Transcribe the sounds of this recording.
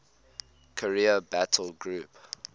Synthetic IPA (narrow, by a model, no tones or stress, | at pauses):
kʰəɹiəbætʰəlɡɹuˑp